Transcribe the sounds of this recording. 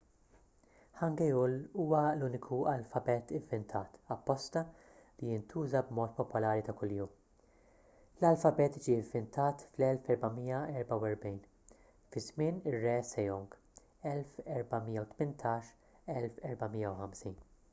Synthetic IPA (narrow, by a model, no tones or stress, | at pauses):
ħɐŋɡɛjuluːwɐluːnɪkʰuɐlfɐbɛːt̪ɪvːɪnt̪ʰɐːt̪ɐpːɔst̪ɐ | lijɪnt̪ʰuːzɐbmɔːt̪̚pɔpʊlɐːɾit̪ɐkʊljuːm | lɐlfɐbɛːt̪id͡ʒiɪvːɪnt̪ʰɐːt̪flɛlfɛɾbɐmijɐɛɾbɐwɛɾbɛjn | fɪzmɪːnɪrːɛːsɛjɔŋɡ | ɛlfɛɾbɐmijːɐwt̪mɪnt̪ʰɐːʃ | ɛlfɛɾbɐmiːjːɐwħɐmsiːn